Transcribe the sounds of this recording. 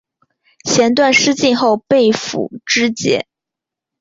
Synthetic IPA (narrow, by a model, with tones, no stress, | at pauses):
ɕjɛ˧˥nt̪wa˥˧nʂɻ̩˥t͡ɕi˥˧nxo˥˧ʊpe˥˩ɪfṵ˨˩ʈ͡ʂɻ̩˥t͡ɕjɛ̰˧˥